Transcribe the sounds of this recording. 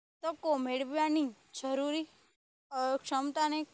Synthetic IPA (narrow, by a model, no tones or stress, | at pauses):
t̪əkomeɽʋjanĩ | d͡ʒəɾuɾi | kʃəmt̪ane